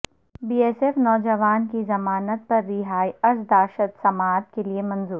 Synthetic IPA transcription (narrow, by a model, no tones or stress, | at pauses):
biːeːsefnɔːd͡ʒɐʋaːnkizɐmaːnət̪̚pɐɾːiɦaːiɐɾsd̪aːʃət̪sɐmaːt̪keliemɐ̃nzuːɾ